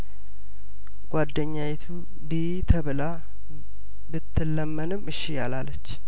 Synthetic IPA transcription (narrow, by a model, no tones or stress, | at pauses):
ɡ̥ʷad̪ːəɲːajɛt̪ʰu | bi | t̪ʰəβɨla | bɨt̪ʰːɨlːəmːənɨmːɨʃːijalalːət͡ʃː